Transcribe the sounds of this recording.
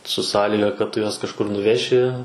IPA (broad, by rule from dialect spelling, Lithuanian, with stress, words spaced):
sʊ ˈsɑːlʲiːɡɐ kɐt ˈtʊ juɔs kɐʃˈkʊr nʊˈʋʲæːʃʲɪ